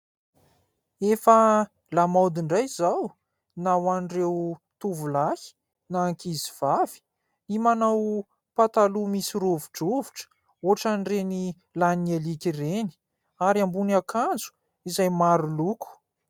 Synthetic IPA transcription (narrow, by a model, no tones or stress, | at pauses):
efə | lamawd̪iɳɖ͡ʐajzaw | nawanɖ͡ʐewt̪uvulahi̥ | naːŋkiziv̥avi̥ | nimanaw | pat̪alumisiɾovuʈ͡ʂovu̥ʈ͡ʂə̥ | oʈ͡ʂanɖ͡ʐeni | lanielikireni̥ | aɾiambunakʰand͡zu̥ | izajmaɾuluku̥